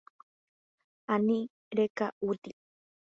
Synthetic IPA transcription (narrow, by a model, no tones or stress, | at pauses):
anĩ | ɾekaut̪i